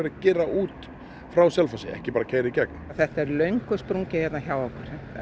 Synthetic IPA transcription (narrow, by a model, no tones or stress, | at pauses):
ɪɾacɛːɾaʔuːt̪ | fɾawsɛlfasɪɛ̰hcɪpaːɾacʰeːjɾɪcɛk̚nθɛht̪aɛɾlœɥŋkʏspɾuŋcɪjɛt̪naçjaːwɔkʏɾ̥